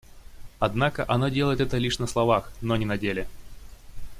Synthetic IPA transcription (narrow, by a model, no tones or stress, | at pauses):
ɐd̪nakəʔɐnodʲelˠəjɪt̪ɛt̪əlʲiʂnəslˠɐvaxnonʲɪnɐdʲelʲɪ